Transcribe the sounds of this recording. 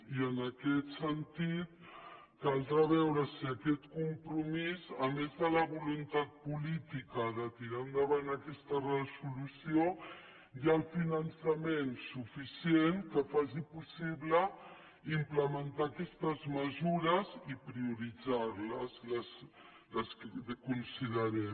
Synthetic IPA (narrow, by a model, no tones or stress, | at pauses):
iənəkɛt̪sənt̪it̪̚ | kalˠd̪ɾəβɛwɾəsiəkɛt̪kumpɾumizəmezðələβulunt̪at̪̚pulit̪ikəðət̪iɾand̪əβanəkɛst̪ərəzulusio | jalˠfinənsəmensufisienkəfaz̬ipusiβlə | impləmənt̪akɛst̪əzməzuɾəzipɾiuɾid͡zaɾləzləs | ləskunsiðəɾɛm